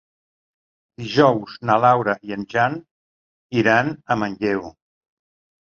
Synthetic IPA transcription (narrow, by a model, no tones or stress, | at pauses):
d̪̥iʒɔwznalawɾəʔiənʲʒan | iɾanəmənʎɛw